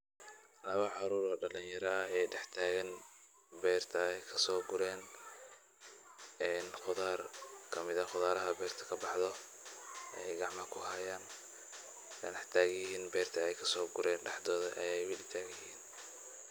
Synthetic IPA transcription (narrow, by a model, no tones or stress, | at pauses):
lɐβɐʕɑɾuːɾɔːɖɐlɪnjɐɾɐɛjɖɛħt̪ʰaːɣɛn | bɛːrt̪ʰɐɛjkʰɐsɔːɡʊɾɛːn | ɛːnχʊðaːrkʰɐmɪðɐχʊðaːɾɐɦɐbɛːrt̪ʰɐ̥kʰɐbɑħðɔ | ʔɛjɡɑʕmɐkʰʊɦɐjaːn | nɛħt̪ʰaːɣjɪhiːnbɛːrt̪ʰɐɛjkʰɐsɔːɡʊɾɛːnɖɛħd̪ɔːðɐʔɐ̰jɛjwɪlɪt̪ʰaːɡjhiːn